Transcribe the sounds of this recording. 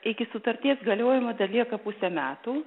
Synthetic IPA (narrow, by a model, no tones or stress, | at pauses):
ɪkʲɪsʊt̪ɐɾʲt̪ʲiɛsɡɐlʲoːjɪmɐd̪ɐlʲiɛkɐpʊsʲɛmʲæːt̪uː